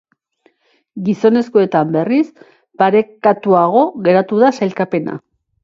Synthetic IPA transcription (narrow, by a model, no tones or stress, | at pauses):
ɡiso̞ne̞skoe̞t̪ambe̞ris | paɾe̞kat̪uaɣ̞o̞ɣe̞ɾat̪uðasajlkape̞na̰